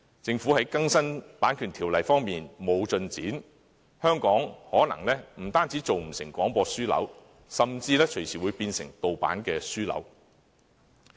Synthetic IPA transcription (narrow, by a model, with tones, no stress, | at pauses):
t͡sɪ˧ŋfuː˨˥hɐ˨˥jkɐ˥ŋsɐ˥npaː˨˥nkʰyː˨˩nt̪ʰi˨˩wlɐ˨˩jfɔː˥ŋmiː˨nmo˨˧wt͡sɵ˧nt͡siː˨˥n | hœː˥ŋkɔː˨˥ŋhɔː˨˥nɐ̰˨˩ŋlɛː˥m̩˨˩t̪aː˥nt͡siː˨˥t͡so˨wm̩˨˩sɪ˨˩ŋkʷɔː˨˥ŋpɔː˧syː˥lɐ̰˨˥w | sɐ˨mt͡siː˧lɛː˥t͡ʃʰɵ˨˩jsʰiː˨˩wu˨˧jpiː˧nsɪ˨˩ŋt̪o˨wpa̰ː˨˥nkɛː˧syː˥lɐ̰˨˥w